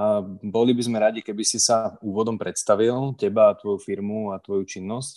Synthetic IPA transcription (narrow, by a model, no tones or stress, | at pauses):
bɔlibizmɛɾaɟikɛbisisauːʋɔd̪ɔmpɾɛt̪st̪aʋilcɛbaːt̪ʋɔjufiɾmuat̪ʋɔjut͡ʃinːɔsc